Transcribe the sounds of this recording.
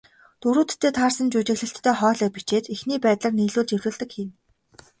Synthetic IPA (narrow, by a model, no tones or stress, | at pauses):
t̪uɾuːt̪ʰːeːt̪ʰaːrsə̆nt͡ɕut͡ɕɪ̆ɣɮɘ̆ɬt̪ʰːœːχɔːɮœːpit͡ɕeːt̪ixniːpæːt̪ɮə̆rniːɮuːɮt͡ɕewɮɘ̆ːɮt̪ə̆kxiːm